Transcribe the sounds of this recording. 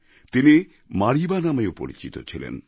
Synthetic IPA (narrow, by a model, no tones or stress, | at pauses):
t̪ini | maɾibanameopo̰ɾḭt͡ɕit̪ot͡ɕʰilḛn